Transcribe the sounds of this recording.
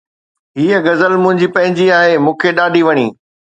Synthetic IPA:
ɦiːəɡɐzəlmʊ̃ɦɪ̃ɲd͡ʑipɐ̃ɦɪ̃ɲd͡ʑiaːɦemũːkʰeɗaːɖʱiʋɐɽ̃iː

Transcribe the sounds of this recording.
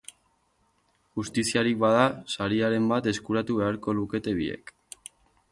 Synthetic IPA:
ʝust̪isiaɾik̚bað̞asaɾiaɾe̞mbat̪e̞skuɾat̪uβe̞aɾko̞luke̞t̪e̞βie̞̰k

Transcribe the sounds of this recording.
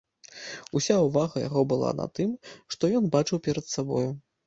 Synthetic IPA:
usʲauvaɣɐja̰ɣɔbɨlˠa̰na̰t̪ɨmʂt̪ɔjɔnbat͡ʂɨwpʲɛɾɐt̪sabɔju

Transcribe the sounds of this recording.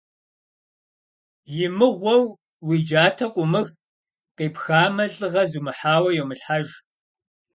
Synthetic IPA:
jɪmɨʁʷɔw | wiːd͡ʒaːtʰɐqʷʼʊmɨɣ | qeːpxaːmɐɮʼɨʁɐzuːmɨħaːwɐjɛwmɨɬħaʒ

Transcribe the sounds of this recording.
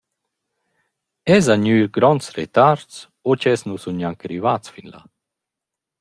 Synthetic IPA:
ɛzaɲyːɾɡɾɔnsret̪aɾts | ot͡ʃɛsnusunɲjaŋkɾivat̪t͡sfinla̰

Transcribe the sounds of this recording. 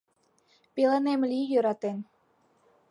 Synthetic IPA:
pelenemlijøɾɑt̪en

